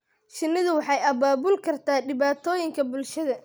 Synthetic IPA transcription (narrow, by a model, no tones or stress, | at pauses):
ʃɪnːɪðʊwɑħɑjɐbaːbʊlkʰɐrt̪ʰaːɖɪβaːt̪ʰɔːjɪŋkʰɐbʊlʃɐðɐ